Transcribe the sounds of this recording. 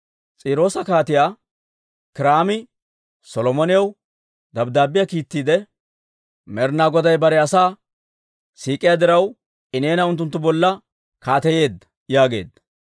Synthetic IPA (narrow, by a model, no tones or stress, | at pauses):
t͡sʼiːɾo̞ːsɐkaːt̪ɪjaː | kɪɾaːmɪ | sɔlɔmɔnɪjɐw | d̪ɐbd̪aːbɪjakiːt̪ːiːd̪ɛ | mɛɾnaːɡɔd̪ɐjbɐɾɛɐsaː | siːkʼːɪjad̪ɪɾɐw | ɪneːnɐʊnt̪ːʊnt̪ːʊbɔlːɐ | kaːt̪ɛje̞ːd̪ːɐ | jaːɡe̞̰ːd̪ːɐ̥